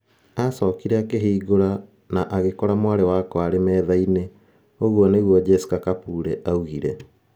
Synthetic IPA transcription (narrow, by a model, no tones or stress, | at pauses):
asɔːkiɾɛakeɦeːɣoɾa | naʔaɣekɔɾamwaɾewakɔaɾemɛːðaine | oɣwɔneɣwɔd͡ʑɛsu̥kakapuːɾɛʔauɣiɾɛ